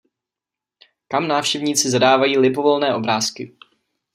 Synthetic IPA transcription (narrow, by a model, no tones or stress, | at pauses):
kamnaːfʃcɛvɲiːt͡sɪzadaːvajiːlɪbo̞vo̞lnɛːʔo̞bɾaːskɪ